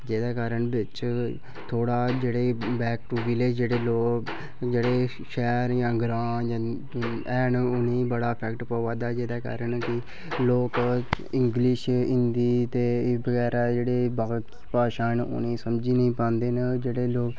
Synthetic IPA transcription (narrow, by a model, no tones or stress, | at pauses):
d͡ʒeːd̪aːkaːɾəɳbɪt͡ʃ | t̪ʰoːɽaːd͡ʒeːɽeːbɛːk̚ʈuːbiːleːd͡ʒeːɽeːloːk | d͡ʒeːɽeː | ʃɛːɾjãːɡɾaːjãː | ɛːnʊnĩːbəɽaːpʰɛkʈpəːʋaːd̪aːd͡ʒeːd̪aːka̰ːɾənkɪ | loːk | ɪ̃ŋɡlɪʃɪ̃nd̪iːt̪eːbəɡɛːɾaːd͡ʒeːɽeːba | paːʃaːnʊ̰nẽːsəmd͡ʒiːnəĩːpãːnd̪eːnd͡ʒeːɽeːloːk